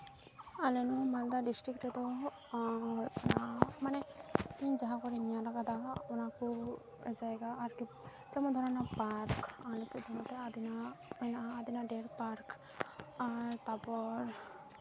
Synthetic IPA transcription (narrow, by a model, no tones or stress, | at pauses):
alɛnumand̪aɖisʈɾikʈɛd̪ɔ | ɔnamanɛiɲd͡ʒaɦakɔɾinijalaɡad̪aɔnaku | ɛzajɡaːɾki | d͡ʒɛmɔd̪ʱɔnanapaɾkalɛsɛd̪ʱɔmɔt̪ɾaad̪inaɛnaːd̪inaɖeɾpaɾk | aɾt̪apɔɾ